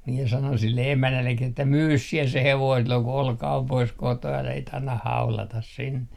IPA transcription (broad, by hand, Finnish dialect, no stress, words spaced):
miɛ sɑnon silːe emænːælːekˑi etːæ myːs siɛ se heʋoin silːoŋ ku olkɑ om pois kotoː ælæ sit ɑnːɑh hɑulɑtɑs sinːe